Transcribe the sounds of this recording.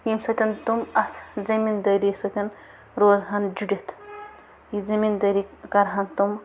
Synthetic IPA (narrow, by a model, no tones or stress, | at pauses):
imsɐt̪ʲɐnt̪umɐt̪ʰd͡zɐmind̪əjɾisɐt̪ʲɐn | ɾoːzɦɐnd͡ʒuɖʲet̪ʰ | jid͡zɐmind̪əɾikɐɾɦɐnt̪um